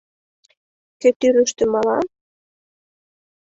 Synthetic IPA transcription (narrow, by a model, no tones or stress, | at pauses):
ket̪yɾə̆ʃt̪ə̆mɑlɑ